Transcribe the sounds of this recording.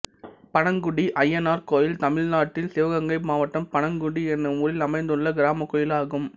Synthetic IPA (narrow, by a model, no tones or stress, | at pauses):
pɐɳɐŋɡʊɽiʔɐjːɐnaːɾkoːjɪlt̪ɐmɪɻnaːʈːɪlsɪʋɐɣɐŋɡɐɪmaːʋɐʈːɐmpɐɳɐŋɡʊɽiɛnːɯmʊɾɪlɐmɐɪnd̪ɯɭːɐɡɪɾaːmɐkːɔːjɪlaːɣɯm